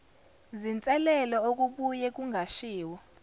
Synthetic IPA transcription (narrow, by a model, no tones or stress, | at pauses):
zint͡sʼɛlɛlɔok̬ʼuɓujɛk̬ʼuŋʱaʃiːwɔ